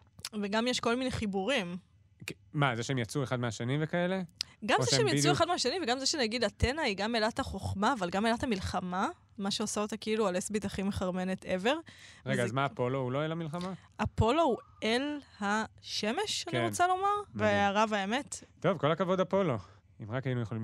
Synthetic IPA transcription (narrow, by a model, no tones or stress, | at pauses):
veɡamjeʃko̞lmineχibuʁim | k | mazeʃeemjat͡sueχad̪̚meaʃenivekaeleɡamzeʃeemjat͡sueχad̪meaʃenimveɡamzeʃenaɡid̪atenaiɡamelathaχo̞χmaːvalɡamelatamilχama | maʃeosaot̪akeilualesbit̪aχimeχaʁme̞net̪e̞ve̞ʁʁeɡaːzmaːpo̞louloelhamilχama | apo̞lo̞u | elhaʃe̞me̞ʃaniʁot͡salo̞maʁveaʁavaeme̞tto̞vko̞lakavo̞d̪apo̞lo̞ | imʁakajinujeχolim